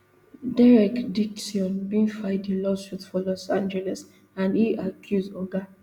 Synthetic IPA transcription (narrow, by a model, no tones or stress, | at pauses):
dɛɹɛkdiksiɔ̃nbĩnfaɪdĩlɔsuðfɔlɔsãnd͡ʒɛlɛs | ãniakʰjuzɔɡa